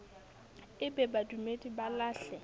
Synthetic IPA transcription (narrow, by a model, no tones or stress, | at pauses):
ɪbɛbadumedibalaːɬɛ